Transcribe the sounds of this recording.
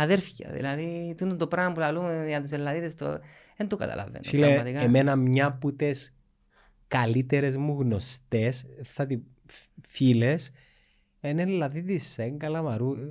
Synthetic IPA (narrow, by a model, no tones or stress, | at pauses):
ɐðeɾfçɐ̰ðḭlɐðit̪ununt̪opɾɐmpulɐlumeɐt̪̬us̬elːɐðiðest̪o̰ | ent̪okɐ̰t̪ɐ̰lʔɐ̰ven̰ileɐmɐt̪ikɐemenɐmɲɐput̪es | kɐlit̪eɾe̞zmuɣno̞st̪e̞sθɐt̪i | files | enelːɐðiðisːeŋɡɐlɐmɐɾu